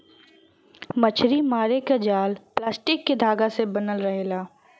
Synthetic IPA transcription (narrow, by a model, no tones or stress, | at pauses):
mɐt͡ʃʰɾimaːɾekad͡ʒaːlplaːsʈɪkːed̪ʱaːɡasebɐnəlɾɐɦeːlaː